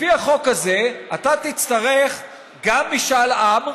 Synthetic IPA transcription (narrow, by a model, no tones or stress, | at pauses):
fiaχo̞kaze̞at̪at̪it͡st̪aʁeχ | ɡamːiʃalam